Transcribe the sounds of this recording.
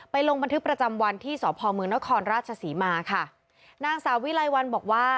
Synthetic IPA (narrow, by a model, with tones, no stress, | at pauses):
pa˧jlo˧ŋba˧nt̪ʰɯ˦˥kpɾa˧t͡ɕa˧mwa˧nt̪ʰiː˥˩sɔː˩˦pʰɔː˧mɯː˧əŋna˦˥kʰɔː˧nɾaː˥˩t̪̚t͡ɕʰa˧siː˩˦maː˧kʰa˥˩ | naː˧ŋsaː˩˦wi˦˥la˧jwa˧nbɔː˨˩k̚waː˥˩